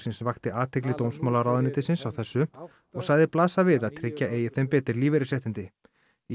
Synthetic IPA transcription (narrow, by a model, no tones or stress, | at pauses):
sɪnsvaxt̪ɪʔaːt̪ʰejk̬lɪt̪oːwmsmawlaɾaːwðɪnɪt̪ɪsɪnsawθɛsːʏ | ɔɣsaːɣðɪplaːsavɪðaðt̪ʰɾɪcːaeːjɪθɛmpɛːt̪ɪɾliːvɛɾɪsjɛht̪ɪnt̪ɪ | i